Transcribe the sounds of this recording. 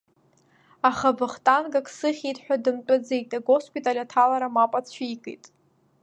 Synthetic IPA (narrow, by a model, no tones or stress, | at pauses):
aχabɨχtʼanɡakʼsɨχʲitʰʼħʷᶣadɨmt͡pʼad͡zejtʼaɡospʼitʼalʲatʰalaɾamapʼat͡sʰʷiijkʼḛjtʼ